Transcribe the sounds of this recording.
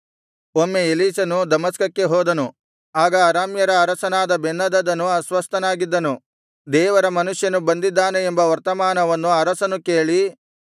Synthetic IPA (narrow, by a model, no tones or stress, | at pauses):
omːeeliːsɐnud̪ɐmɐskɐkːe̞ɦɔːd̪ɐnu | aːɡɐːɾaːmjɐɾɐːɾɐsɐnaːd̪ɐbenːɐd̪ɐd̪ɐnːuɐsʋɐst̪ɐnaːɡid̪ːɐnu | d̪ɛːʋɐɾɐmɐnuʂjɐnubɐnd̪id̪ːaːneːmbɐʋɐɾt̪ɐmaːnɐʋɐnːuɐɾɐsɐnuke̞ːɭi